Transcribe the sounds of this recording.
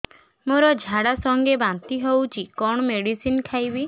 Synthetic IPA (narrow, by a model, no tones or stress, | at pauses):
moɾɔd͡ʒʱaɽasɔŋɡebant̪iɦowt͡ʃʰikɔɳ̃ɔmeɽisinkʰajbi